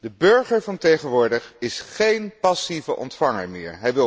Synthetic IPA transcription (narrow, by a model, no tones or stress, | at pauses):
dəbøɹχəɹvɑntejχənʋʊːɹdəχɪsχejnpɑsivəʔɔ̰ntfɑŋə̰ɹmɪ̰ːɹɦɛjʋɪ